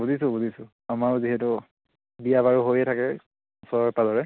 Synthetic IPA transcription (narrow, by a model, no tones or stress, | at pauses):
buzisʊbuzisʊ | amaɹziɦɛtʊ | bijabaɹuɦojɛtʰakɛ | ɔsɔɹɔɹpalɔɹɛ